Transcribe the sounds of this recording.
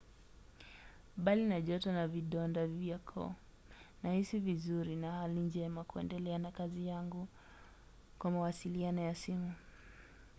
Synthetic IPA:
ɓalinaʄɔtɔnaviɗɔndaviakʰɔ̰ | nahisivizuɾinahalind͡ʒɛmakuɛ̰ndɛlɛanakazijaŋɡu | kwamawasilianɔjasimu

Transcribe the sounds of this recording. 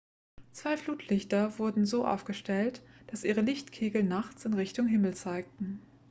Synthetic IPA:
t͡sv̥aɪfluːtʰlɪçtɐvʊɐdn̩zoːʔa̰ʊfɡ̥əʃtɛltd̥asʔiːʁ̞əlɪçtkʰeːɡl̩naχt͡sɪnʁɪçtʊŋɦɪml̩t͡saɪk̚tn̩

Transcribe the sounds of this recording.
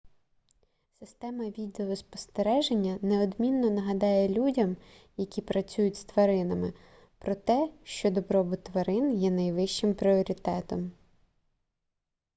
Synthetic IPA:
sɪst̪ɛmɐʋʲid̪eɔspɔ̥st̪eɾɛʒenʲːɐneɔd̪mʲinːɔnɐɦɐd̪ɑjɛlʲudʲɐm | jɐkʲipɾɐt͡sʲujʊtʲst̪ʋɐɾɪnɐmɪ | pɾɔt̪ɛʃt͡ʃɔd̪ɔbɾɔbʊt̪ʋɐɾɪnjɛnɐjʋɪʃt͡ʃɪmpɾʲiɔɾʲit̪ɛt̪ɔm

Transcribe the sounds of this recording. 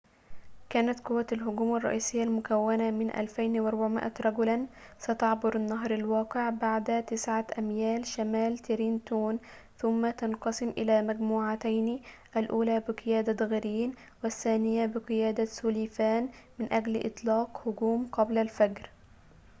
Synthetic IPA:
kæːnat̪qʊwːaalɦʊɡuːmɑrˤːɑ̰ʔiːsɪjːalmʊkawːanamɪnʔa̰lfajnwʔɑɾˤbaʕmɪ̰ʔa̰ɾˤɑɡlan | sat̪ɑʕbʊɾɪnːɑɦɾalwɑːqɪʕbaʕd̪t̪ɪsʕaʔamjæːlʃamæːlt̪ɪɾiːnt̪uːn | θʊmːat̪ɑnqɑsɪmʔɪlaːmæɡmuːʕat̪ajni | ʔalʔuːlaːbɪqɨjaːd̪ad̪ɣɪɾiːn | wɪθːaːnɪjabɪqɨjaːd̪asʊlifaːnmɪnʔæɡlʔɪ̰t̪ˤlɑːqhʊɡuːmqɑblalfaɡɾ

